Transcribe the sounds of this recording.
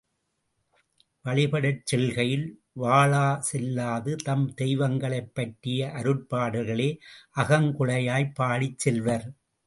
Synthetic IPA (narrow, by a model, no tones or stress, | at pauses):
ʋɐɭɪpɐɽɐt͡ʃːɛlɣɐjɪl | ʋaːɭaːsɛlːaːðɯt̪ɐmd̪ɛjʋɐŋɡɐɭɐɪpːɐʈɾɪjɐʔɐɾɯɽpaːɽɯɣɐɭeːʔɐɣɐŋkʊɭɐjaːjpːaːɽɪt͡ʃːɛlʋɐɾ